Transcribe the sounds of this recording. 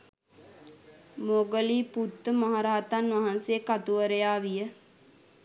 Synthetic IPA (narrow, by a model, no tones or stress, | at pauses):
moɡəliːput̪ːəmaɦaɾaːat̪anʋaɦansejəkat̪uʋəɾəjaːʋijə